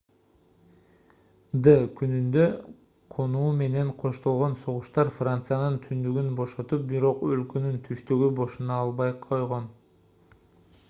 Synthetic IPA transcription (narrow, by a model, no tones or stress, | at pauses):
d̪əkynynd̪ø | qʰo̞nuːme̞ne̞ɴqʰo̞ʃt̪o̞lˠʁo̞nso̞ʁuʃt̪ɑɾfrant̪sɨjanɯnt̪ʰynd̪yɡynbo̞ʃo̞t̪up̚biɾo̞qølkø̞nynt̪ʰyʃt̪yɡybo̞ʃunɑːlˠbɑjqʰo̞jʁo̞n